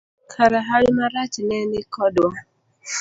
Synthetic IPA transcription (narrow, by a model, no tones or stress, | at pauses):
kʰaɾaɦalimaɾat͡ʃinɛnɪkɔdwa